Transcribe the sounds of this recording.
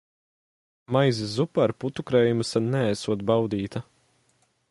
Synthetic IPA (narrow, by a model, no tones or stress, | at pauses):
majzɪzupaɾput̪ukɾɛːjumsanɛæsuɔt̪bawd̪iːt̪ɐ